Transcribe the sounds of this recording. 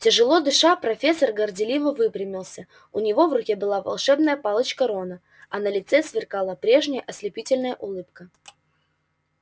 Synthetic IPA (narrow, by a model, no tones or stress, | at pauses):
tʲɪʐɨlˠo̞d̪ɨʂapɾɐfʲesːərɡərdʲɪlʲivəvɨpɾʲɪmʲɪlˠsʲə | ʊnʲɪvo̞vrʊkʲebɨlˠavɐ̰lˠʂɛbnəjəpalˠət͡ɕkəɾonə | ɐnəlʲɪt̪sɛsvʲɪrkalˠəpɾʲe̞ʐnʲɪjəʔɐsʲlʲɪpʲitʲɪlʲnəjəʔʊlˠɨp̚kə